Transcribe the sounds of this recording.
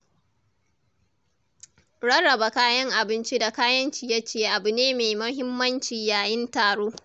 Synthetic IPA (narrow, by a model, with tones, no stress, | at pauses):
ɽɐ˦ɽːɐ˨ba˨kaː˦jɐ˦ŋʔa˨bɪ˦nt͡ʃi˦da˨kaː˦jɐ˦nt͡ʃiː˨jɐ˦t͡ʃeː˨ʔa˨bu˨neː˦meː˨jmɐ˦ɦɪ˦mːɐ˦nt͡ʃiː˨jaː˨jɪ˦ntaː˨ɽoː˦